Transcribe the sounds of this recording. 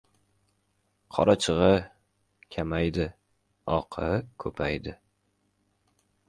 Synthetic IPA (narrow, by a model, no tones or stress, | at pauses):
qʰɒɾat͡ʃʰɨʁɨ | kʲʰamajd̪ɪ | ɒqʰɨkʰɵpʰajd̪ɪ